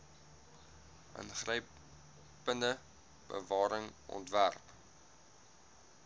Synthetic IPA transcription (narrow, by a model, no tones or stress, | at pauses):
ʔə̰nχrəj | pəndə | b̥ə̰vɑːɾəŋʔɔ̰ntværp